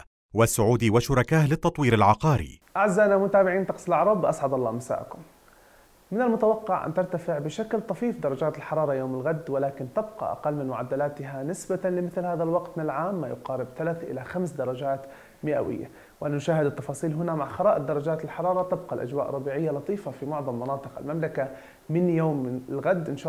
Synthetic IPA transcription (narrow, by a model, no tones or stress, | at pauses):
wasːʊʕuːd̪iwaʃʊɾˤɑkaːhlɪt̪ːɑt̪ˤwiːɾalʕɑqɑːɾḭʔaʕzːanamʊt̪aːbɪʕiːnt̪ɑqsɪlʔaʕɾˤɑːb̪wʔasʕɑd̪ɑlˤːɑːmasa̰ːʔkʊm | mɪnalmʊt̪awɑqːɪʕʔa̰nt̪ɪɾˤt̪afɪʕbɪʃaklt̪ˤɑfiːfd̪ɑɾˤɑd͡ʒaːt̪ɪlħɑɾˤɑːɾˤɑjoːmɪlɣad̪wɪlaːkɪnt̪ɪbqɑ̰ʔa̰qalːmɪnmʊʕad̪ːalaːt̪ɪɦanɪsbalɪmɪθlhaːðalwɑqt̪mɪnɪalʕaːmːajʊqɑːɾɪbt̪alaθʔɪ̰laxamsd̪ɑɾˤɑd͡ʒaːt̪ | mɪʔa̰wɪ̰jːa̰ | wʔanːanʊʃaːhɪd̪ɪt̪ːɑfɑːsˤiːlɦʊnamaʕxɑɾˤɑːʔɪd̪ːɑɾˤɑd͡ʒaːt̪ɪlħɑɾˤɑːɾˤɑt̪ɪb̚qɑlʔa̰d͡ʒwaːʔrˤːɑbiːʕɪjːalɑt̪ˤiːfafimʊʕðˤɑmːɑnɑːt̪ˤɨqa̰lmamlaka | mɪnjoːmːɪnɪlɣad̪ːʔɪnʃaː